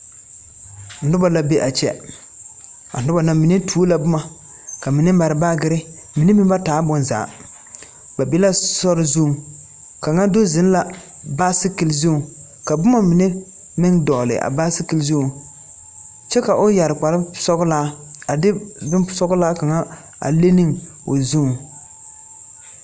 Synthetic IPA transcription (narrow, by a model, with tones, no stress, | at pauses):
n̩˨dʊ˦ba˨la˦be˦ʔa˨t͡ʃɛ̰˦ | a̰˨n̩˨dʊ˦ba˨na˨mi˨ne˦tʰuː˦la˨bʊ˦ma˨ | ka˨mi˨nɪ˦ma˨ɾɪ˨baː˦ɡɪ˦ɾɪ˦ | mi˨nɪ˦mɪ˦mba˦taː˨˦bʊ˨nza̰ː˨˦ | ba˨bi˦la˦sɔ˦ɾɪ˦zu˦˨ | ka˨ŋa˦do˦zɪ˨˦n˦la˨ | ba˦sɪ˦ki˨lzu˦˨ | ka˨bʊ˦ma˦mɪ˨nɪ˦ | mɪ˦ŋdɔ˨lɪ̰˨ʔa̰˨ba˦sɪ˦ki˨lzu˦˨ | t͡ʃɛ˦ka˨ʔo˦ja˨ɾɪ˨k͡pa˨lɪ˦sɔ˦ɡʊ˦laː˦ | a˨dɪ˦bɪ˦n˦sɔ˦ɡʊ˦laː˦ka˨ŋa˦ | a̰˨le˦nɪ˦ŋ | o̰˨zu˦˨